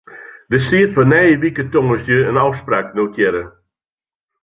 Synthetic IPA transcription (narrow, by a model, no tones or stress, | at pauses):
dəsiətfɔnɛjəʋikətoŋəsjøənɔwspraːknowkʰjɛɾə